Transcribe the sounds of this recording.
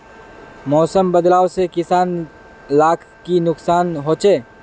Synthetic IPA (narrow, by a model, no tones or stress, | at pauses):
mɔːsəmbɐd̪laːʋsekɪsaːn | laːkʰkinʊksaːnɦoːt͡ʃeː